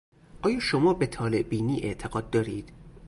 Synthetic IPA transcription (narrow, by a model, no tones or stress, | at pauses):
ʔɒːjɒːʃomɒːbet̪ʰɒːle̞ʔbiːniːʔe̞̰ʔt̪ʰeɡɒːd̪ːɒːɾiːd̪̥